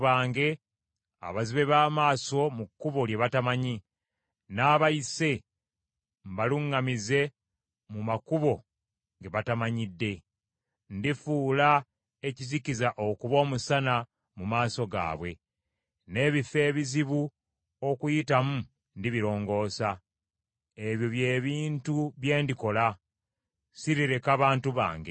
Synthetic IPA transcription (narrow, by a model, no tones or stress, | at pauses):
βaːŋɡe̞ | a̰βaziβe̞βaːmaːso̞mukːuβo̞ljeβatamaɲi | naːβaise̞ | mbaluŋːamize̞ | mumakuβo̞ | ŋɡe̞βatamaɲidːe̞ | ndifuːla | e̞cizicizaʔokuβo̞ːmusana | mumaːso̞ɡa̰ːβwe̞ | ne̞ːβife̞ːβiziβu | o̞kujitamu | ndiβiɾo̞ːŋɡo̞ːsa | e̞βjo̞βje̞ːβiːntuβje̞ːndiko̞la | siɾiɾe̞kaβaːntuβa̰ːŋɡḛ